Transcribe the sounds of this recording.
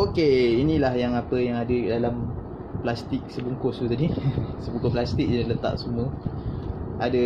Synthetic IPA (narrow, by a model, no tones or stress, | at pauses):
okeinĩlahjaŋapəjaŋadədalam | plast̪ik̚səbuŋkost̪ut̪adisəbuŋkoplast̪ik̚jandlət̪a̰ʔsumə | ada